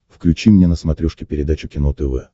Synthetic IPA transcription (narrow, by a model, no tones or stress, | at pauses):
fklʲʉt͡ɕimnʲenəsmɐt̪ɾʲuʂkʲɪpʲɪɾʲɪd̪at͡ɕʊkʲɪnot̪əvɛ